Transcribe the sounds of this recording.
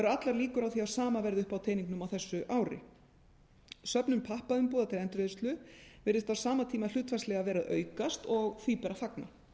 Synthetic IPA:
ɛɾʏat̪laɾliːkʏɾawθiawsaːmavɛɾðʏhpawt̪ʰeːjniŋknʏmawθɛsːʏʔaːwɾɪ̰ | sœpnʏmpʰahpaðʏmpoːðat̪ʰɪlɛnt̪ɾeðʏst̪lʏvɛɾɪst̪awsaːmat̪ʰiːmal̥ʏːt̪fastlɛɣavɛːɾaðœ̰ːɥkast̪ɔɣθvipɛɾafakna̰

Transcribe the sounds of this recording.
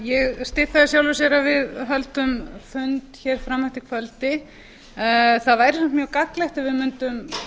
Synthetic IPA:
jɛɣst̪ɪθaðɪsjawlvʏs̬ɛɾavɪðɦœlt̪ʏmfʏnt̪çɛɾ̥fɾamːaht̪ɪkʰvœlt̪ɪ | θaðvaːjɾɪsɛmt̪mjœkaklɛxt̪avɪðmʏnt̪ʏm

